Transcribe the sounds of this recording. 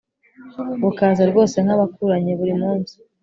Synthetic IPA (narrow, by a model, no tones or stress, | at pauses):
βukaːzaɾɡo̞ːse̞n̥aβakuɾaɲe̞βuɾimuːnzi